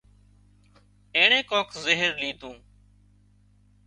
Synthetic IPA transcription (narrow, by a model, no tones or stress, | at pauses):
ẽːɳeːkoːkzeɦəɾliːt̪ũː